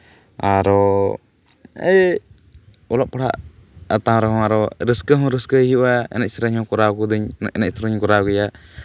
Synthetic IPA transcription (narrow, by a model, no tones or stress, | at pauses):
aɾɔ | ɛ̰ | ɔlɔʔ̚pɔɽa̰ʔət̪ãɾɔhɔ̃aɾɔɾəskəɦɔ̃ɾəskəɦiuʔaɛ̰nɛc̚sɾəɲhɔ̃kɔɾakud̪iɲnɛc̚sɾəɲkɔɾaɡɛja